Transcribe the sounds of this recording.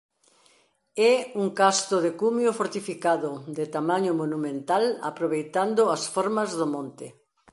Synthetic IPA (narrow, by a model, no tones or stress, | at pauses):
ɛuŋkast̪oðekumjofoɾt̪ifikaðʊðɪt̪amaɲomonumẽnt̪ala̰pɾoβejt̪and̪ʊasfɔɾmɐzðomõnt̪ɪ